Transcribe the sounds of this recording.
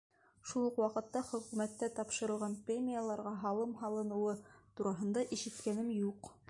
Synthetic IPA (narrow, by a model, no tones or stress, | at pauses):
ʃulˠɤqwɑqɤ̆t̪ːɑχɵ̆kʉmæt̪ːæt̪ɑpʃɤ̆ɾɤ̆lˠʁɑnprʲemʲɪjalˠɑɾʁɑɦɑlˠɤmɦɑlˠɤ̆nɤ̆wɤt̪uɾɑɦɤ̆nd̪ɑʔiʃɘ̆t̪kænɘmjuq